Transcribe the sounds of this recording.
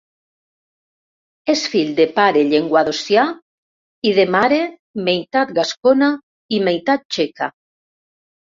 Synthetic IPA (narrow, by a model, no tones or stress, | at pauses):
esfiʎd̪epaɾeʎeŋɡwaðosja | iðemaɾe | mejt̪at̪̚ɡaskona | imejt̪at̪̚t͡ʃeka